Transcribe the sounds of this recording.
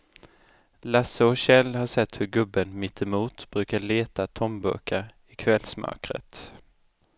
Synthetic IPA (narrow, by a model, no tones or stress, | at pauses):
lasːəɔɕɛlːhaʂɛt̪ːhɵɾɡɵbːənmɪt̪ʰːɛmuːt̪b̥ɾʉ̟ːkaɭeːt̪at̪ʰɔmbɵ̰kaɾ | ɪkʰvɛlːsmœ̰kɾə̰t̪